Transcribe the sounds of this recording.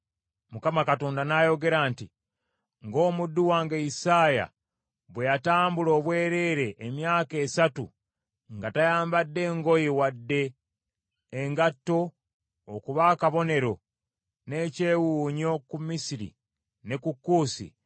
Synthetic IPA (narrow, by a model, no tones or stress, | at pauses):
mukamakato̞ːndanajo̞ɡe̞ɾaːnti | ŋɡo̞ːmudːuwaːŋɡaisaːja̰ | βwe̞jataːmbulo̞ːβwe̞ːɾe̞ːɾe̞ʔːmjaːke̞ːsatṵ | ŋɡatajaːmbadːe̞ːŋɡo̞jiwadːe̞ | ŋɡatːo̞ | okuβaːkaβo̞ne̞ɾo̞ | ne̞ːce̞wuːɲo̞kumːisiɾḭ | ne̞kukːuːsḭ